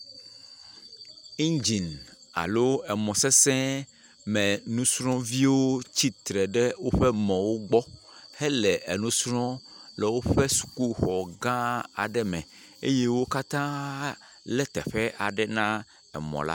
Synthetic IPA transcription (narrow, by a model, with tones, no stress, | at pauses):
i˦nd͡ʑi˨na̰˨lo˦ɛ˨mɔ̃˨sɛ˦sɛ̃˦ | mɛ̃˨nũ˦sɾ̃ɔ̃˦vi˦wo˦t͡ɕi˦t̪ɾɛ˨ɖɛ˦wo˦ɸɛ˦mɔ̃˨wo˦ɡ͡bɔ˦ | hɛ˦lɛ˨ʔe˨nũ˦sɾɔ̃˦ | lɛ˨wo˦ɸɛ˦su̥˨ku˦xɔ˨ɡã˦a˨ɖɛ˦mɛ̰̃˨ | ḛ˦je˦wo˦ka˦t̪ã˦ | lɛ˦t̪ɛ̰˨ɸɛ˦ʔa˨ɖɛ˦nã˦ | ɛ̰˨mɔ̰̃˨la̰˦